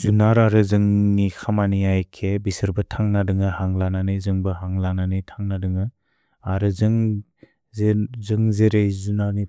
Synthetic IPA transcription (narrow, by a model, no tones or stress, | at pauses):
zunaɾaɾɯzɯŋnikʰamaniajkʰebisɯɾbɯtʰaŋnadɯŋɯhaŋlananɯjzɯŋbɯɦaŋlananɯjtʰaŋnadɯŋɯ | aɾɯzɯŋ | zɯŋzeɾejzunaɾni